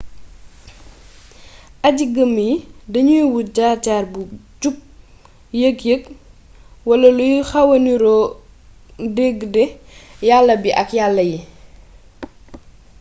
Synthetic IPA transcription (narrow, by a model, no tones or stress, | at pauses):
ʔɐɟiɡəmːjdɐɲujwuɟaːtaːrbuɟup̚ | jəkjək | wɐlɐlujxɐwɐniɾɔː | deɡdɛjalːɐbiʔɐkjalːɐji